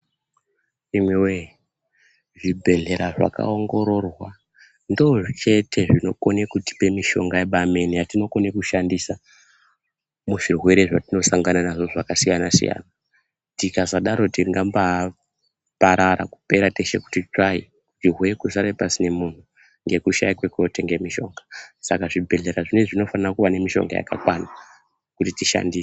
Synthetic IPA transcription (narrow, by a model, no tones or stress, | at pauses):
imwewe | ʐibʱe̞ɮe̞ɾaʐa̰ka̰o̞ŋɡo̞ɾo̞rwa | ndo̞ʐt͡ʃe̞tʰe̞ʐino̞konekuti̥pe̞miʃo̞ŋɡaeɓameniatino̞ko̞nekuʃandisa | muʐirwe̞ɾe̞ʐatino̞saŋɡananaʐo̞ʐakasijanasḭja̰ːna | tikazaɗaɾo̞tiriŋɡamba | paɾaɾa̰ku̥pe̞ɾate̞ʃḛku̥tit͡ʂai | utirwe̞kusaɾepasine̞mun̤u | ŋɡe̞kuʃa̰jikwe̞kuoteŋɡemiʃo̞ːŋɡasakaʐibʱe̞ɮeɾaʐine̞ʐino̞fanirakuʋane̞miʃo̞̰ŋɡa̰ja̰ka̰kwana | kutitiʃa̰ndiːse